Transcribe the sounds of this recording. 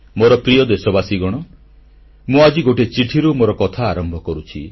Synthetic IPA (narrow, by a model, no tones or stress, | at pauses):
moɾɔpɾijɔd̪esɔbasiɡɔɽ̃ɔ | mũad͡ʒiɡoʈet͡ʃiʈʰiɾumoɾɔkɔt̪ʰaːɾɔmbʱɔkɔɾut͡ʃʰi